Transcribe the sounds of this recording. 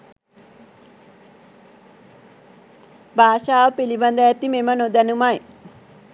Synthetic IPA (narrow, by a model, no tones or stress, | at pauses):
baːʃaːʋəpiliband̪əjæt̪imemənod̪ənumaj